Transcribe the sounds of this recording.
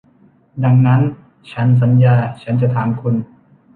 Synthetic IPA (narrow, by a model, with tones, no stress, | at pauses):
da˧ŋna˦˥n | t͡ɕʰa˦˥ns̬a˩˨˦njaː˧t͡ɕʰa˦˥nt͡ɕa˧ʔt̪ʰaː˩˦mkʰu˧˩n